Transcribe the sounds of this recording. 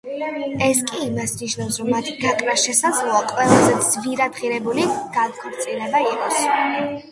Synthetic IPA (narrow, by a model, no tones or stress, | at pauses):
ɛskʼiːmasniʃnafsɾɔmːat̪ʰiɡ̥akʼɾaʃɛsad̪zlˠɔaqʼwɛlˠazɛd̪z̥viɾad̪ʁiɾɛbuliɡ̥aɡ̪kʰʼɔɾt̪sʼilɛbaiqʼɔs